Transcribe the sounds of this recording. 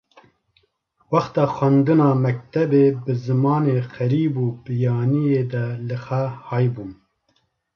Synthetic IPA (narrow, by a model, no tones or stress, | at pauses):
wɑxt̪ɑːxʷwænd̪ɨnɑːmɛk̚t̪ɛbeːbɨzɨmɑːneːxɛɾiːbuːbɨjɑːnijeːd̪ɛlɨxɛhɑːjbun